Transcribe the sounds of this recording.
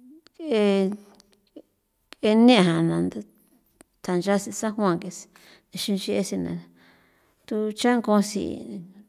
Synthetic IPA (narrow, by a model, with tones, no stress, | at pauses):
ke˧ | ke˧nẽ˦˧ɦã˨nã˨nd̪a˧ | t̪ʰa˨nd͡ʒa˦si˧sa˦ɦw̃ã˧˨ŋke˧si̥˧ | d̪e˧ʃĩ˧nt͡ʃi˧ʔe˧si˧nã̰˧ | t̪u˧t͡ʃã˦ŋkõ˧sḭ˧˨